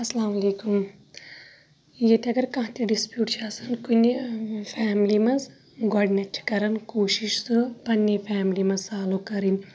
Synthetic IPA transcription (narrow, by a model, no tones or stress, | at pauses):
ɐslaːmɐleːkum | jet̪ʲɐɡɐɾkɐ̃ɦt̪iɖispjuːʈt͡ʃʰaːsɐnkunʲifʰaːmlimɐz | ɡoɖneʈʰkɐɾɐnkoːʃiʃsɨpɐnʲːefʰaːmlimɐzsaːlukɐɾinʲ